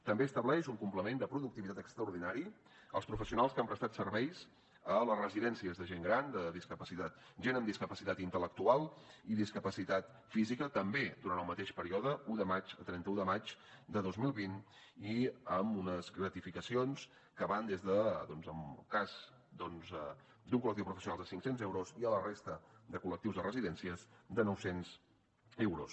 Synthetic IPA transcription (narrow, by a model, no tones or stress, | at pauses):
t̪əmbeəst̪əβlɛʃuŋkumpləmend̪əpɾuðuk̚t̪iβit̪at̪əkst̪ɾəuɾðinaɾi | ə̰lˠspɾufəsiunalˠskampɾəst̪at̪sərβɛjs | ələzrəziðɛnsiəzðəʒeŋɡɾand̪əðiskəpəsit̪at̪̚ʒenəmd̪iskəpəsit̪at̪int̪ələk̚t̪ualˠiðiskəpəsit̪at̪ | fizikət̪əmbed̪uɾanəlˠmət̪eʃpəɾiɔðəuðəmad͡ʒət̪ɾɛnt̪əuðəmad͡ʒd̪əðozmilˠβin | iəmunəsɣɾət̪ifikəsions | kəβand̪ezðəd̪ɔnzəmkaz | d̪ɔnz | d̪uŋkuləkt̪iwpɾufəsiunalˠðəsiŋksenzɛwɾoziələrest̪əd̪əkulək̚t̪iwzðərəziðɛnsiəzd̪ənɔwsenz | ɛwɾo̰s